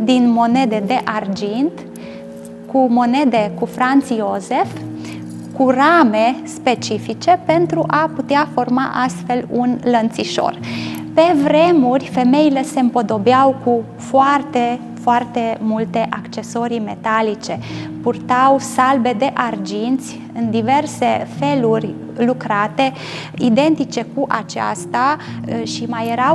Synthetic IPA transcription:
d̪inmo̞ne̞d̪e̞d̪e̞ʔard͡ʒint̪ | kumo̞ne̞d̪e̞kufɾant̪sioze̞f | kurame̞spe̞t͡ʃifit͡ʃe̞pe̞nt̪ɾuʔaput̪eafo̞rmaʔast̪fe̞lunlənt̪siʃo̞̰rpe̞vɾe̞murʲfe̞me̞ilese̞ɨmpod̪o̞beawku | foart̪e̞ | foart̪e̞mult̪e̞ʔakt͡ʃe̞so̞ɾime̞t̪alit͡ʃe̞purt̪awsalbe̞d̪e̞ʔard͡ʒint̪sʲ | ɨnd̪ive̞rse̞fe̞lurʲ | lukɾat̪e̞ | id̪e̞nt̪it͡ʃe̞kuʔat͡ʃa̰st̪aʃimajeɾaw

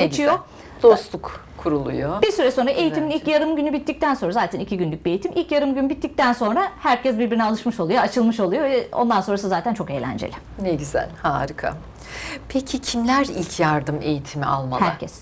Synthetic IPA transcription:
et͡ʃʰijo | d̪̥ost̪ʰuk | kʰːuɾulˠṵjobiɾsyɾɛso̞nɾaʔe̞jit̪ʰiminilʲcjaɾɯmɟynybit̪ːic̚t̪ænso̞nɾazaːt̪ʰænicʰiɟynlʲyc̚biejit̪ʰimilʲcjaɾɯmɟynybit̪ːic̚t̪ænso̞nɾahæɾcʰɛsbiɾbiɾinialˠɯʃmɯʃolˠujoat͡ʃʰɯlˠmɯʃo̞lˠujovɛo̰nd̪ansonɾas̬ɯzaːt̪ænt͡ʃʰo̞ke̞ːjlʲæ̰nd͡ʒḛlʲɪ | neɟizæ̰lʲhaːɾɯkʰa̰ | pʰecʰicʰimlʲæɾilʲcʰjaɾd̪ɯme̞jit̪ʰimia̰lˠmahæɾcʰɛs

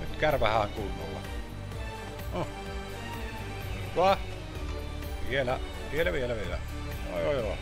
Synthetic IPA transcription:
nyt̪kærʋæhɑːŋkulːolːɑ̰ | o | kɑ | ʋielæ | ʋielæʋielæʋielæ̰ | o̰jojo̰

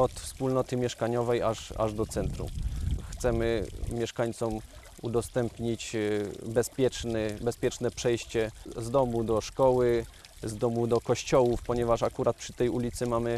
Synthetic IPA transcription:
ɔt̪fspulnɔt̪ɘmʲjɛʂkaɲɔvɛjaʐa̰ʐd̪ɔt̪sɛnt̪ɾṵxt̪sɛmɘmʲjɛʂkaɲt̪sɔm | ṵd̪ɔst̪ɛmpɲit͡ɕbɛspʲjɛt͡ʂnɘbɛspʲjɛt͡ʂnɛpʂɛjɕt͡ɕɛzd̪ɔmud̪ɔʂkɔwɘ | zd̪ɔmud̪ɔkɔɕt͡ɕɔwufpɔɲɛvaʂakuɾat̪̚pʂɘt̪ɛjulʲit̪sɘmamɘ

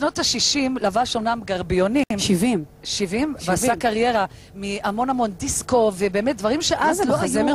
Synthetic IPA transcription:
ʃno̞thaʃiʃimlavaʃo̞namɡaʁbionimʃivimʃivimveasakaʁje̞ʁa | miamo̞namo̞ndisko̞vebe̞ːmet̚dvaʁimʃeʔazloazem

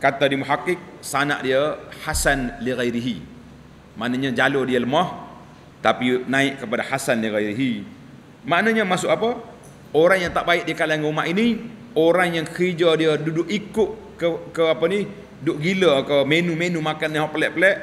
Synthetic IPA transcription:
kat̪adimuɦakɪk̚sana̰ʔdiəhasanliɣajɾiɦi | maʔnaɲad͡ʒalodiələmɔh | t̪apinaɪʔkəpadahasanliɣajɾiɦi | maʔnaɲəmasʊʔapə | oɾaŋjaŋt̪aʔbaɪʔdiəkalaaŋkəumaʔini | oɾaŋjaŋkəɾid͡ʒadiədudʊkikʊʔ | kəkəapəni | dʊʔɡiləkəmenumenumakanːiɦɔʔpəlɛʔpəlɛʔ

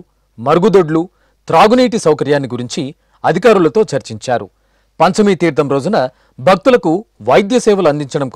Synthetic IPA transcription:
mɐɾɡud̪oɖlu | t̪ɾaːɡuniːʈ̬isɐwkɐɾjaːnːiɡuɾiɲt͡ʃi | ɐd̪ʱikaːɾulɐt̪o̞ːt͡ʃɐɾt͡ʃiɲt͡ʃaːɾṵ | pɐɲt͡ʃɐmit̪iːɾd̪ɐmɾo̞ːd͡ʒunɐ | bʱɐk̚t̪ulɐkuʋɐjd̪jɐsɛːʋɐluɐnd̪iɲt͡ʃɐɽɐmk

